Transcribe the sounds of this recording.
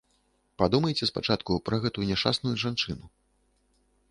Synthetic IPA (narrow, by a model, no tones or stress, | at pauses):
pad̪umɐjt͡sʲɛspat͡ʂat̪kupɾɐɣɛt̪ujunʲɛʂt͡ʂa̰snujuʐant͡ʂɨnu